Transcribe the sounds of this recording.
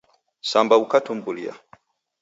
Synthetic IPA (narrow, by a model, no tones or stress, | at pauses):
sambaukatum̩bulia̰